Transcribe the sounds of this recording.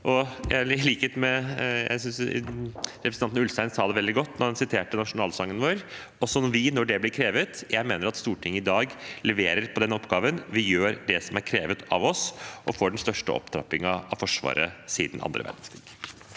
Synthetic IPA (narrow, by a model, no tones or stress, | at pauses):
ʔɔjæliːkɛt̪mɛjæ̰ɪsʏns | ɾɛpɾsnɑnnʉlst̪æɪnsɑːd̪ɛʋɛld̪ɪɡɔt̪ːnɔdɛnsɪt̪ʰeːʈənɑʂʊnɑːlsɑŋːənʋoːɾ | ɔsɔnʋɪnɔɖɛblɪɾkʰɾeːʋət̪jæɪmeːnəɾɑt̪st̪uːʈʰɪŋːəɪd̪ɑːɡlɛʋeːɾəɾpʰɔd̪ɛnɔpːɡɑːʋənʋɪjøːɾɖɛsɔmæɾkʰɾeːʋət̪ɑ̰ʋɔsʔɔfoːɖn̩st̪œʂʈə̰ɔ̰pt̪ʰɾɑ̰pːɪŋɑɑʋfɔʂʋɑ̰ːɾə̰siːd̪nʔɑ̰nd̪ɾə̰ʋæ̰ɖn̩sk̪ɾḭːɡ̥